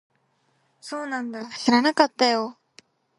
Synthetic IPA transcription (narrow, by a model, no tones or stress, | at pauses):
soːnãnd̪aɕiɾanakat̪ːajo